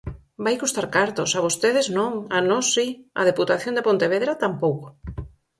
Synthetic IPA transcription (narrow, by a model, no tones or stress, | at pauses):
bajkust̪aɾkaɾt̪osaβost̪eðɪznõŋanɔsːiɐ̰ð̞eput̪aθjond̪epõnt̪eβeðɾat̪ampowko̥